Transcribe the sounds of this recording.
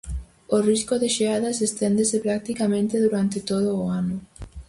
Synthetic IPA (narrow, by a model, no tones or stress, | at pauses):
oriskoðeʃeaðɐsest̪end̪esɪpɾak̚t̪ikamẽnt̪eðuɾant̪ɪt̪oð̞oːanʊ